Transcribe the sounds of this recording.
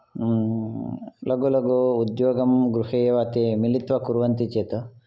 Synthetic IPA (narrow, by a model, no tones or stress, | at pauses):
lɐɡulɐɡuud̪joːɡɐmɡɾuhejɐʋɐt̪imilit̪ʋɐkuɾʋɐnt̪it͡ʃeːt̪ɐ